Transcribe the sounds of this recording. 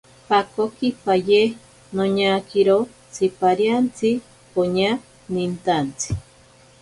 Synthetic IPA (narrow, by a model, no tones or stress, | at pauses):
pakokipaje | noɲakiɾo | t͡sipaɾjant͡si | poɲa | nint̪ant͡si̥